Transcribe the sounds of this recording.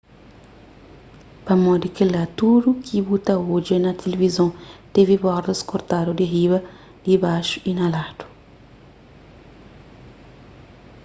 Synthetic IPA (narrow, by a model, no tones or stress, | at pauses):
pɐmɔd̪ikelat̪udukʰibut̪ɐod͡ʒenɐt̪ʰelevizõt̪evibɔɾd̪ɐskoɾt̪adod̪iɦiβɐ | d̪̥ibaʃu̥inɐlad̪̥u̥